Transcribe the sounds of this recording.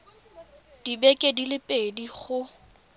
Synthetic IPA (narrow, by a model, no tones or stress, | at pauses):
d̥ibɛkʼedilɪpʼediχʊ